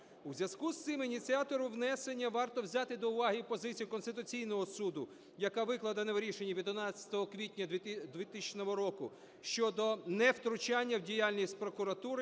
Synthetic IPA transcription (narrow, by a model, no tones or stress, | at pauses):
uzʲjʲɐskust̪ɪminʲitt͡sʲiat̪ɔɾʊwnɛsenʲːɐʋɑrt̪ɔwzʲat̪ɪd̪ɔʊʋɑɦɪwpɔzɪt͡sʲijʊkɔnst̪ɪt̪ʊt͡sʲijnɔɦɔsud̪ʊ | jɐkaʋɪklˠɐd̪ɐnɛʋɾʲiʃenʲːɐʋʲid̪ʊnɑt͡sʲːɐ̥t̪ɔɦɔkʋʲitʲnʲɐd̪ʋʲɪt̪ɪnɔɦɔɾɔkʊ | ʃt͡ʃɔd̪ɔnɛwt̪ɾʊt͡ʃanʲːɐwdʲijalʲnʲisʲt̚ʲpɾɔkʊɾɐt̪uɾɪ